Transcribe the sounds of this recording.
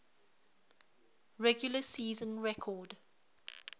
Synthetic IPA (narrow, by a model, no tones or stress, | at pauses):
ɹɛɡjʊləsiːzə̃nɹɛkʰɔːd